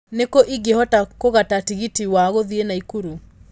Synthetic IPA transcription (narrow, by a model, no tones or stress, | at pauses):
nekoʔiɡehɔtakoɣatatiɣitiwaɣoðienaikuɾu